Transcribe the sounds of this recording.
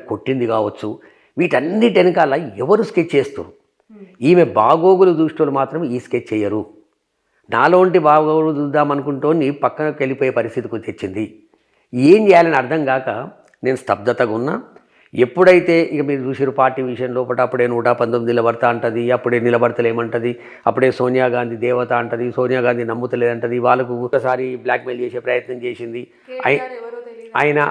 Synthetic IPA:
ko̞ʈːind̪ikaːʋɐt͡ʃːu | ʋiːʈɐnːiʈenikɐlːaːɛʋɐɾusket͡ʃːt͡ʃeːst̪ṵː | iːmebaːɡo̞ːɡulud̪uːʂʈɐːlumaːt̪ɾɐmiːsket͡ʃːt͡ʃɛjɐɾu | naːlo̞ːɳʈibaːɡoːɡuud̪ud̪ːaːmɐnukuɳʈoːnipɐkːɐnɐkelipoːjeːpɐɾist̪ʰit̪ikut̪et͡ʃːind̪i | eːɲt͡ʃɛːjaːlɐniɐɾd̪ʱɐŋkaːkɐ | ne̞ːnust̪ʰɐb̚d̪ɐt̪ɐɡunːaː | e̞pːuɽɐjit̪e̞ːʔikɐmiːɾut͡ʃuːʃiːɾupaːɾʈːiːʋiʂɐjɐnlo̞ːpɐʈɐɐpːuɽe̞ːnuːʈaːpɐnd̪omid̪ilɐbɐɽt̪aːɐɳʈɐd̪iɐpːuɽe̞ːnilɐbɐɽɐt̪ɐle̞ːmɐɳʈɐd̪i | ɐpːuɽe̞ːso̞ːnjaːɡaːnd̪ʱid̪ɛːʋɐt̪aːɳʈɐd̪isoːnjaːɡaːnd̪inɐmːut̪ɐleːd̪ɐɳʈɐd̪iʋaːɭːɐk̬uɔkːɐsaːɾibljaːkmelt͡ʃeːse̞ːpɾɐjɐt̪nɐmt͡ʃe̞ːsind̪i | a̰j | aːjɐnɐ

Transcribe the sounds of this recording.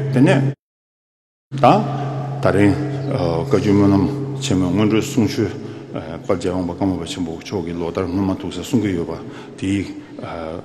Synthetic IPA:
t̪enɛː | t̪at̪aɾiŋ | kat͡ɕuːmølamt͡ɕʰemøːŋønɖ͡ʐøːsuŋt͡ɕʰøː | pald͡ʑaːwɑŋpakamopat͡ɕʰenpot͡ɕʰɔkiloʔt̪aɹŋ̥ønmat̪ʰuʔsasuŋkijøʔpa | t̪i

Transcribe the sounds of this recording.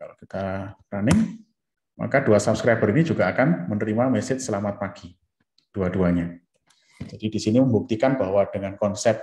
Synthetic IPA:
kalokit̪apɾanɪŋ | ma̰kad̥uasap̚skɾab̥əɾinid͡ʒuɡ̥aːkanmənəɾimamɛsɪt̪səlamat̪̚paɡ̥i | d̥uad̥uaɲa | d͡ʒad̥idisiniməmbuk̚t̪ikanbahwad̥əŋankɔnsɛp̪̚

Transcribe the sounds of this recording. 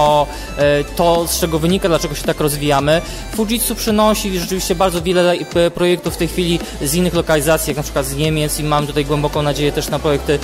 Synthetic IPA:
ɔ | t̪ɔst͡ʂɛɡɔvɘɲikad̪lat͡ʂɛɡɔɕɛt̪akɾɔzvʲijamɘ | fuʐit̪supʂɘnɔɕiʐɛt͡ʂɘvʲiɕt͡ɕɛbaɾd̪ɔvʲjɛlɛpɾɔjɛkt̪ufːt̪ɛjxfʲilʲi | zinːɘxlɔkalʲizat̪sʲjaknapʂɘ̥kwat̪zɲemʲjɛt̪simamt̪ut̪ajɡwɛmbɔkɔ̃w̃nad͡ʑejɛt̪ɛʂnapɾɔjɛk̚t̪ɘ

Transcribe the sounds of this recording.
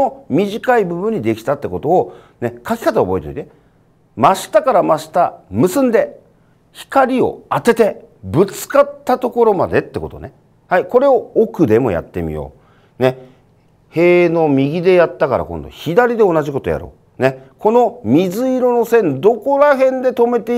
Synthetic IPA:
omʲiʑikaibɯ̟bɯ̟̃ɲ̟ːid̪e̞kʲi̥t̪at̪ːe̞ko̞t̪o̞ː | ne̞kakʲi̥kat̪aobo̞et̪o̰it̪e | maɕi̥t̪akaɾamaɕi̥t̪amɯ̟sɨ̃nd̪e̞ | çi̥kaɾʲio̞̰at̪e̞t̪e̞bɯ̟t͡sɨ̥kat̪ːat̪o̞ko̞ɾo̞mad̪e̞t̪ːe̞ko̞t̪o̞̰ne | haiko̞ɾe̞o̞ːkɯ̟d̪e̞mo̞̰ja̰t̪ːe̞̰mʲḭjo̰ː | ne̞ | he̞ːno̞mʲiɡʲid̪e̞jat̪ːakaɾa̰kõ̞nd̪o̰çid̪aɾʲid̪e̞o̞naʑiko̞t̪o̞ja̰ɾo̰ː | ne̞kʰo̞no̞mʲizɨiɾo̞no̞sẽ̞nd̪o̞ko̞ɾaɦẽ̞nd̪e̞t̪o̞me̞t̪e̞

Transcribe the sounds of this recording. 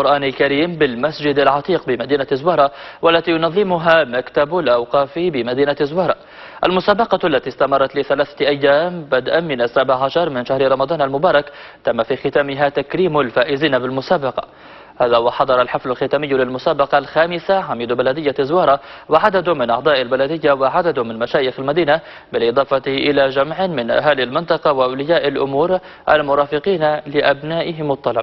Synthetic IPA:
qʊɾʔaːnalkaɾiːmbɪlmasd͡ʒɪd̪alʕɑt̪ˤiːqbɪmad̪iːnazwɑːɾˤɑwalːat̪iːjʊnɑðˤːɪmʊɦamakt̪abalʔɑwqɑːfibɪmad̪iːnazwɑːɾˤɑː | ʔa̰lmʊsaːbɑqɑlːat̪ist̪amɑɾˤrˤːɑt̪lɪθalaːθaʔajːaːmbad̪ʔamɪnasːabʕʕaʃɑɾˤmɪnʃahɾɪɾˤɑmɑd̪ˤɑːnalmʊbɑːɾˤɑk | t̪amːafiːxɪt̪aːmɪɦat̪akɾiːmʊlfaːʔɪziːnabɪlmʊsaːbɑqɑ̰ | haːðaːwɑħɑd̪ˤɑɾˤɑlħɪflalxɪt̪aːmɪjːlɪlmʊsaːbɑqɑlxaːmɪsaʕamiːd̪balad̪ɪjːazwɑːɾˤɑwɪʕad̪ad̪mɪnʔɑʕd̪ˤɑːʔalbalad̪ɪjːawɪʕad̪ad̪mɪnmaʃaːjɪxalmad̪iːna | bɪlʔɨd̪ˤɑːfɑʔɪlaːd͡ʒamʕmɪnʔa̰ɦaːlɪlmɪnt̪ˤɑqɑwɪʔawlɪjaːʔalʔʊ̰muːɾ | ʔalmʊɾˤɑːfɪqiːnalɪʔabnaːʔɪɦɪmɑt̪ˤːɑlɑb

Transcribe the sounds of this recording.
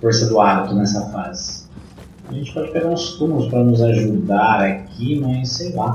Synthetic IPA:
foɾsɐd̪ʊabit̪ʊnɛsɐfazɪ̥ | aʒẽnt͡ʃɪ̥pɔd͡ʒɪpeɡaɾʊ̃st̪ũmʊlʊspɾɐnʊzaʒud̪aɾakʰimɐjsːejla

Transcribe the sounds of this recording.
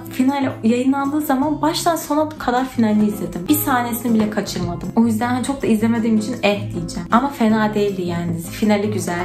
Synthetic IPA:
finalʲjajɯnlˠand̪ɯːzamanbaʃt̪ʰanso̞nɾabkʰad̪aɾfinalʲːiːzlʲe̞d̪imbisaːne̞sinibilʲɛkʰat͡ʃʰɯɾmad̪ɯmo̞jyzd̪ænhænt͡ʃʰo̞k̚d̪aizle̞me̞d̪iːmit͡ʃʰinɛhd̪ijid͡ʒɛmamafenaːd̪e̞jilʲd̪ijanid̪izifinalʲːiɟyzælʲ

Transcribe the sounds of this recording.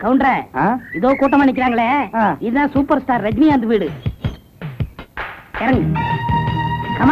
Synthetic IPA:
kɐʋʊɳɖɾeaːɪðoːkuːʈ̬ːɐmɐɳːɪk̬ːɪɾaːŋɡɐɭeːãɪðɯðãːsuːpɐɾsʈaːɾːɛd͡ʒniand̪ɯʋiːɽɯ | ɛɾɐŋɡ | kɐm

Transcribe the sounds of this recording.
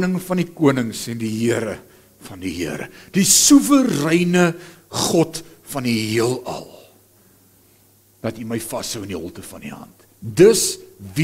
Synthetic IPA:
nəŋfɐnikuənəŋsɛndiɦiəɾə | fɐndiɦiəɾə̰d̥isuvərɛjnə | χɔtfɐniɦiəlˠɐ̰lˠ | d̥ɐtiməjfɐsɦəwəndiɦɔ̰lˠtəfɐndḭɦɐ̰nt | dəsvi

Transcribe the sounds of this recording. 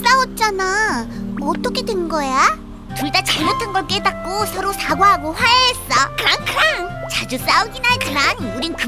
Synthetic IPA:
ɾ͈aʌt̚t͡ɕ͈ana | ʌt͈ʰʌkʰe̞dwenɡʌeja | tuɭdat͡ɕaɭmotʰanɡʌɭk͈edak̚k͈osʰʌɾosʰaɡoɦaɡoɸwajees͈ʌkɯɾaŋkɯɾaŋt͡ɕad͡ʑus͈auɡinakɯɾanuɾinnkɯ

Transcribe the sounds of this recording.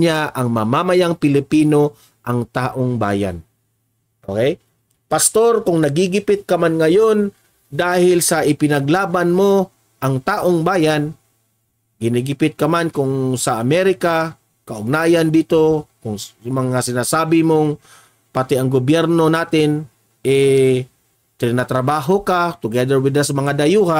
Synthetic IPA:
ɲaʔɐŋmɐmamajaŋpɪlɪpiːno̞ | ʔɐŋt̪aːʔoŋba̰ːja̰n | ʔokɛj | pɐst̪o̞ɾkʊŋnɐɡiɡɪpɪt̪̚kɐmanŋɐjon | d̪aːhɪlsɐʔɪpɪnɐɡlaːbanmo | ʔɐŋt̪aːʔoŋbaːjan | ɡɪniɡɪpɪt̪̚kɐmankʊŋsɐʔɐmɛɾɪka | kɐʔʊɡ̚naːjand̪iːt̪o̞kʊŋmɐŋasɪnasaːbɪmoŋ | pat̪ɛʔɐŋɡʊbjɛɾno̞naːt̪ɪn | ʔɛ | t̪ɪɾɪnat̪ɾɐbaːɦokat̪ʊɡɛd̪əɾwɪd̪asmɐŋad̪ɐjuːha

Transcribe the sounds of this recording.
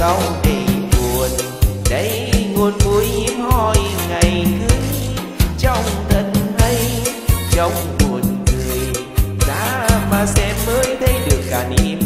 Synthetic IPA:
awŋ͡mɗemuən | ɗəj | ŋoənmujɲim̚hɔjŋajkɨəŋ | t͡ɕɔwŋ͡mt̪ʰənhəj | t͡ɕɔwŋ͡mmuənŋɨəj | ɗa̰ːmaːsɛmːəːjt̪ʰəjɗɨək̚kaːnʔim

